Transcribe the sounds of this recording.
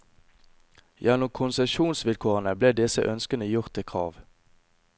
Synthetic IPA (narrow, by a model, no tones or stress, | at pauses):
jænʊmkʰʊnsɛʃuːnsʋɪlkʰoːʁənəbleːd̪ɛsə̰ʔœnskənəjʊʁt̪̚d̪ekʰʁɑ̰ːʋ